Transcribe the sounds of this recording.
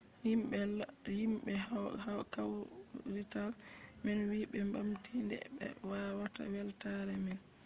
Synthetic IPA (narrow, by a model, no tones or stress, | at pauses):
himɓɛ | himɓɛ | akaw | wital | mɛnwiɓɛmbamtʰindɛ̰bɛ̰wawatawɛltaɾɛmɛn